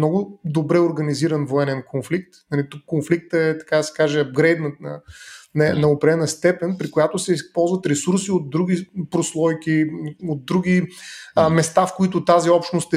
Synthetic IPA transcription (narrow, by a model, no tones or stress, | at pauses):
nɔɡʊd̪obɾɛoɾɡɐniziɾɐnvoɛnɛnkʰonflikt̪nɐlit̪ukːonflik̚t̪əɛt̪ɐ̥kad̪ɐsɛ̥kaʒɛɐb̚ɡɾɛjd̪nənɐ̰nɛnɐopɾɛɛnəst̪ɛpɛnpɾikojat̪ʊsɛispɔlˠzvɐt̪ɾɛsuɾsiot̪̚d̪ɾuɡ̟ipɾoslˠɔjkiot̪̚d̪ɾuɡ̟ʲi | mɛst̪afkoit̪ʊt̪aziɔpʃt̪nost̪